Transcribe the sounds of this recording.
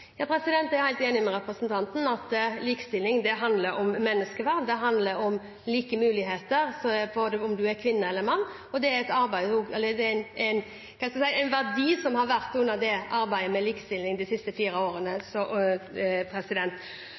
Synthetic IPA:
jɑːpʰɾɛsɪd̪ɛnt̪æɾhæɪt̪eːnɪmɛɾɛpɾəsənt̪ʰɑnt̪n̩ɑt̪liːkə̥st̪ɪlːɪŋd̪ɛɦɑnd̪ləɾɔmːɛnːəskəʋæɾd̪d̪ɛɦɑnd̪ləɾɔm | liːkəmʉːlɪheːt̪əɾsɔboːd̪əɔmd̪ʉæɾkʰʋɪnːəɛlːəɾmɑnː | ɔd̪ɛæɾɛt̪ɑɾbæɪuːɛlːəd̪ɛɪnæɪn | kʰɑnɛskɑsæɪænʋæɾd̪iːsɔmhɑɾʋæɾt̪ʉnːəɾd̪ɛʔɑɾbæɪd̪əmɛliːkə̥st̪ɪlːɪŋd̪ɪsɪst̪əfiːɾəoːɾənəsɔ | pʰɾɛsɪd̪ɛnt̪

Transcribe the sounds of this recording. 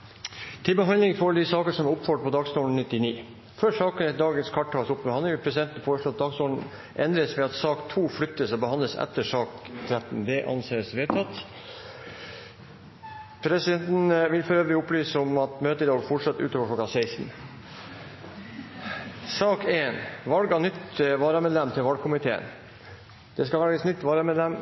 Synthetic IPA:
t̪ʰɪlbəɦɑnd̪lɪŋfoːɖd̪isɑːkəʂɔmʊpfɔʈ̚pʰɔd̪ɑːɡst̪uːln̩nɪt̪ːɪniː | føːʂɑːkəd̪ɑːɡənskʰɑʈ̚ʰːɑːsʊpːbəɑnd̪ɪŋpʰɾɛsɪd̪ɛnt̪n̩foːɾəʂloːɑt̪̚d̪ɑːɡst̪uːlɳ̩n̩ | ʔɛnd̪ɾəsʋɛɑt̪sɑːkt̪ʰuːflʏt̪ːəsɔbəhɑnd̪ləsɛ̰t̪ːəʂɑːkt̪ʰɾæt̪n̩d̪ɛʔɑ̰nseːsʋeːt̪ʰɑt̪ | pʰɾɛsɪd̪ɛnt̪n̩ʋɪlfɾøːʋəɾɪʊplyːsɔmɑt̪møːt̪əd̪ɑʋfɔʈʂɑt̪ːʉ̰ːt̪oːʋəkʰlɔkɑsæɪst̪n̩ | sɑːkeːnʋɑlɡɑnʏt̪ːʋɑːɾəmeːd̪lɛmt̪ʰɪlʋɑlɡkʰʊmɪt̪ʰḛːə̰n | d̪̥ɛskɑʋæɾɡəsnʏt̪ːʋɑːɾəmeːd̪lɛm

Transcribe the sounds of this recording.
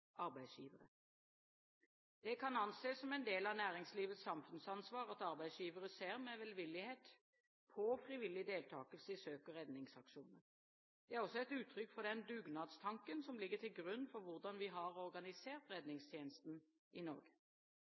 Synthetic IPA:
ɑɾbæɪsjḭːʋəɾə | d̪̥ɛkʰɑnɑnseːsɔmɛɪnd̪eːlɑnæːɾɪŋsliːʋət̪sɑmfʉnsɑnsʋɑːʁɑt̪ɑɾbæɪsjiːʋəɾəseːɾmɛʋɛlʋɪlːɪheːt̪ | pʰɔfɾɪʋɪlːɪd̪eːlt̪ʰɑːkəlsəɪsøːkəʁɛd̪nɪŋsɑkʃuːnəɾ | d̪̥ɛæɾɔsːɔɛt̪ʉːt̪ʰɾʏkːfɔd̪ɛnd̪ʉːɡnɑːd̪st̪ʰɑŋkənsɔmlɪɡːət̪ʰɪlɡɾʉnːfɔɾʋʊʁd̪ɑnʋɪɦɑʁɔɾɡɑnɪseːʁt̪ʁɛd̪nɪŋst̪ʰjeːnəst̪n̩ | ɪnɔ̰ːɾɡə

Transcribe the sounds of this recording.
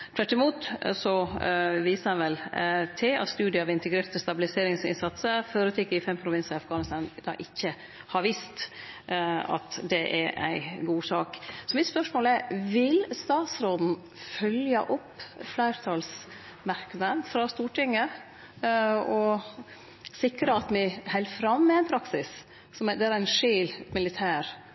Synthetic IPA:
t̪ʰʋæʈːɪmuːt̪sɔʋiːsəɛnʋɛlt̪ʰɪɑ̰t̪st̪ʉːd̪ɪəɑʋɪnt̪əɡɾeːɾt̪əst̪ɑbɪlɪseːɾɪŋsɪ̰nsɑt̪səføːɾət̪ʰɪkːəɪfɛmpʰɾʊʋɪnsəɑfɡɑːnɪst̪ɑnd̪ɑ̰ːʔɪçːə | hɑɾʋiːst̪ | ɑ̰t̪d̪ɛʔæ̰ɾæ̰ɪɡuːsɑːksɔmɪt̪spœʂmoːlæɾʋɪlst̪ɑːt̪sɾoːd̪n̩ | fœljɑ̰ʔʊpːflæɪɾt̪ʰɑls | mɑɾknɑd̪fɾɑst̪uːʈɪŋːə | ɔ | sɪkɾəɑt̪mɪhɛɪlfɾɑmːɛæɪnpʰɾɑksɪs | sɔmd̪ɛæɾænʂeːlmɪlɪt̪ʰæːɾ

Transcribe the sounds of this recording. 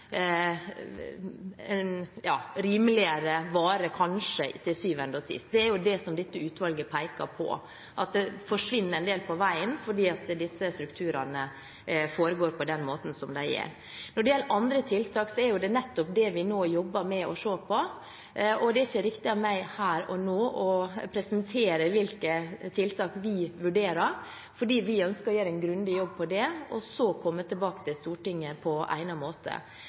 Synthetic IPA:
njɑ̰ːɾiːmlɪəɾəʋɑːɾəkʰɑnʂət̪ʰɪlsyːʋɛnd̪ɔsɪ̰st̪̚d̪ɛæɾjʊd̪ɛsɔmd̪ɪt̪ːəʉːt̪ʋɑlɡəpʰæɪkɑ̰ɾpʰɔ̰ | ʔɑt̪̚d̪ɛfɔʂʋɪnːəɾɛnd̪eːlpʰɔʋæɪənfɔɖiːɑt̪d̪ɪsːəst̪ɾʉkt̪ʰʉːɾɑnə | foːɾəɡoːɾpɔd̪ɛnmoːt̪n̩sɔmd̪æɪjɛ̰ɾ | nɔɖɛjɛlːəɾʔɑnd̪ɾət̪ʰɪlt̪ʰɑːksɔæɾjʊd̪ɛnɛt̪ːɔpd̪ɛʋɪnoːjɔbːəɾmɛɔʂoːpʰɔ | ɔd̪ɛæɾɪçːəɾɪkt̪ɪɑmæɪhæːɾɔ̰noːɔpʰɾɛsənt̪ʰeːɾəʋɪlkət̪ʰɪlt̪ʰɑːkʋɪʋʉɖeːɾəɾ | fɔɖiːʋɪœnskəɾɔjøːɾæɪnɡɾʉnd̪ɪjɔbːpʰɔd̪ɛɔ̰sɔkʰɔmːət̪ʰɪlbɑːkət̪ɪlst̪uːʈɪŋːəpʰɔʔæ̰ɪnɑmoːt̪ʰə̰

